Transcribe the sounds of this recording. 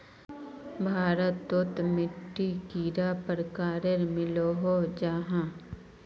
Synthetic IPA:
bʱaːɾət̪ːot̪mɪʈːikiːɾaːpəɾkaːɾeɾmɪloːɦod͡ʒaːɦãː

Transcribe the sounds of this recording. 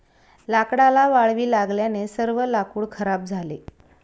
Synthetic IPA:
lakɽalaʋaɭʋiːlaɡljanesəɾʋəlakuːɭkʰəɾab̚d͡zʱale

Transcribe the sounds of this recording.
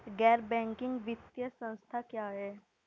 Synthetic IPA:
ɡɛɾbɛ̃ŋkiŋɡʋit̪jəsə̃w̃st̪ʰakjaɦe

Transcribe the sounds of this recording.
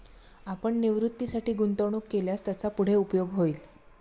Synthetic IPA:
apəɳniʋɾut̪ːisaʈiːɡunt̪əʋɳ̃uːkːeljast̪jat͡sapuɽ̤eupjoɡɦoiːl

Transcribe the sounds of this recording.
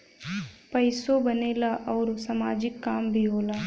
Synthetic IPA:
pɐɪsobɐneːlaʔɔːɾsɐmaːd͡ʒɪkːaːmbʱiɦoːlaː

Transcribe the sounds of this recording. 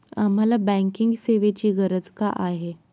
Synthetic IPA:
am̤alabɛ̃ŋkiŋɡseʋet͡ɕiːɡəɾəd͡zkaʔaɦe

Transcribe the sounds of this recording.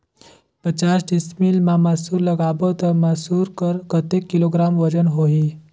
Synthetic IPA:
pət͡ɕasɖismiːlmamasuːɾləɡabət̪əmasuːɾkəɾkət̪ekːiloɡɾamʋəd͡ʑənɦoɦi

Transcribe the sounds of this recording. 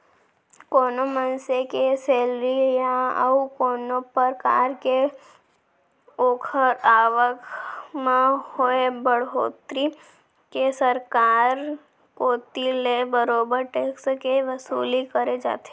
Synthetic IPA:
koːnomənsekeseːlɾija̰ukoːnopəɾka̰ːɾke | oːkʰəɾaːʋəkmẽhoebəɽɦoːt̪ɾi | kesəɾkaːɾ | koːt̪ilebəɾoːbəɾʈeːkskeʋəsṵːlikəɾed͡ʒa̰ːt̪ee

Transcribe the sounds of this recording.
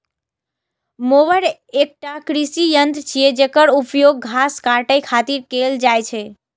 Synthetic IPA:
moβəɾek̚ʈakɾisijənd̪t͡ʃʰijed͡ʒekəɾupjoɡ̚ːʱaskaʈəjkʰat̪iɾkeld͡ʒajt͡ʃʰɛ

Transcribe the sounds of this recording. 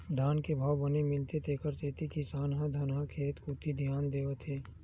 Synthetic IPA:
d̪ʱaːnkebʱaːwbənemɪlt̪et̪eːkəɾt̪eːt̪ikisaːnɦãd̪ʱɐnɦãkʰeːt̪kʊt̪ːid̪ʱjaːnd̪eːʋət̪ɦɛː

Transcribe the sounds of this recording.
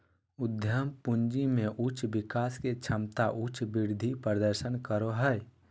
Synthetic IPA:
ʊd̪ʱjəmpund͡ʒimẽʔut͡ʃbɪkaːsket͡ʃʰəmt̪aʔut͡ʃbiɾd̪ʱipɾəd̪əɾsənkəɾoɦəj

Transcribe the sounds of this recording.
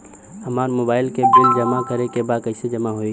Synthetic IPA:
həmaːɾmobaːɪlkebɪld͡ʒəmakəɾekebakəɪsed͡ʒəmaɦoi

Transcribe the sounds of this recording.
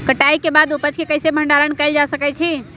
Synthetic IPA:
kəʈaikebad̪upət͡ʃʰkekəjsebʱəɳɖaɾənkəɪld͡ʒasəkɛt͡ʃʰi

